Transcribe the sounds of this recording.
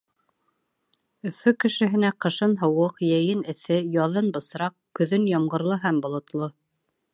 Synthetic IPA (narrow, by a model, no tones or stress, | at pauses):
ɵ̆fɵkɘ̆ʃɘ̆ɦɘ̆næqɤ̆ʃɤnɦɤ̆wɤqjæjɘnɘ̆θɘjɑðɤnbɤ̆sɾɑqkɵ̆ðɵnjɑmʁɤ̆ɾlˠɤɦæmbŏlˠŏt̪lˠɤ